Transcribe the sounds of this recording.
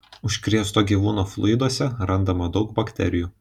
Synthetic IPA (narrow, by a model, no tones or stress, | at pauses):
ʊʃʲkɾʲiɛst̪oːɡʲiːʋuːnoːflˠʊ̰jɪd̪uɔsʲɛɾɐnd̪ɐmɐd̪ɒʊkbɐkʲt̪ʲɛ̰ɾʲɪjuː